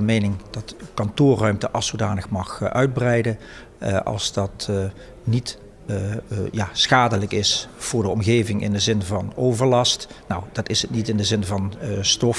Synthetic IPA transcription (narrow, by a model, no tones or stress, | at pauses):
mejnɪŋd̥ɑtkɑntʊːrœɥmtəʔɑlˠsowdaːnəxmɑxʔœɥd̚brɛjdə | ʔɑ̰lˠzdɑt | nit | jaːsxaːdələkɪsv̥ʊːɹdəɔmɣejvɪŋʔɪ̰ndəzɪnvɑnowvəɹlɑstnowdɑtɪsətnitɪndəzɪnvɑnstɔf